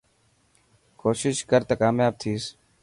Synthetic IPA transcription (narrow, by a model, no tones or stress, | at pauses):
koːʃɪʃkəɾt̪akaːmjaːb̚t̪ʰiːs